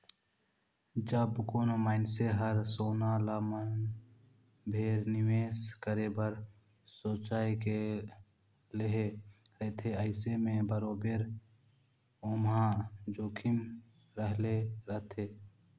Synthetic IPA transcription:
d͡ʒəbkoːnomaːɪnseɦəɾsoːnalamən | bʱeːɾnɪʋeːskəɾebəɾ | soːt͡ʃaːike | leɦeɾəɦt̪ʰeəɪsemẽbəɾobeɾ | omãd͡ʒoːkʰɪm | ɾəɦleɾəɦt̪ʰeː

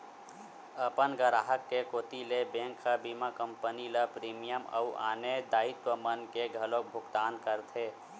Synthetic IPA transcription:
əpənɡəɾaːɦəkːekoːt̪ilebẽŋkʰəbimakəmpəniləpɾiːmijəmə̰uʔa̰ːned̪aːit̪wəmənkeɡʱəlok̚bʱʊɡt̪aːnkəɾt̪ʰe

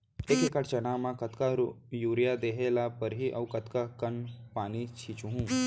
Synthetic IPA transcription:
eːkekəʈt͡ʃɐnamãkɐt̪kaɾjuːɾijad̪eːɦeːlapəɾɦiʔɐʋkɐt̪kakɐnpaːnit͡ʃʰiːt͡ʃuɦũː

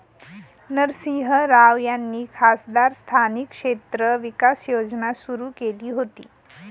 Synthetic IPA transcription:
nəɾsiɦəɾaʋjanːiːkʰasd̪aɾst̪ʰanikʂet̪ɾəʋikasjod͡znasuɾukeliːɦot̪ḭː

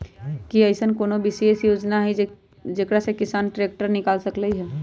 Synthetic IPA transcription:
kiəɪsənkoːnobɪseːsjoːd͡ʒnaɦɛ | d͡ʒekɾasekɪsaːnʈɾeːk̚ʈəɾnɪkaːlsəkləiɦɛː

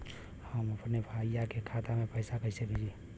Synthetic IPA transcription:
həməpnebʱaijakekʰat̪amepəɪsakəɪsebʱed͡ʒie

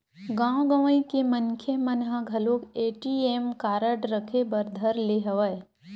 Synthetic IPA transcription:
ɡãɡəʋĩkemənkʰemənɦãɡʱɐloːkeːʈieːmkaːɾəʈɾəkʰebɐɾd̪ʱəɾleɦɐʋəe

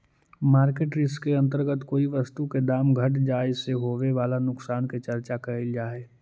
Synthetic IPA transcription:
maːɾkeːʈɾɪskeɐ̃nt̪̬əɾɡət̪koːiʋɐst̪uked̪aːmɡʱɐʈd͡ʒaːɪseɦoːʋeʋaːlanʊksaːnket͡ʃɐɾt͡ʃakɐɦɪld͡ʒaːeː

